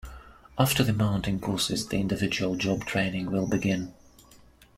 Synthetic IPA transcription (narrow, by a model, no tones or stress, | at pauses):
ʔaftə˞ðɨmãʊ̃ntɪ̃ŋkʰɔɹsɪzðḭɪ̃ndɨvɪd͡ʒəəlˠd͡ʒɒb̚tʰɹ̥ẽɪ̃nɪ̃ŋwɪlˠbɨɡɪ̃n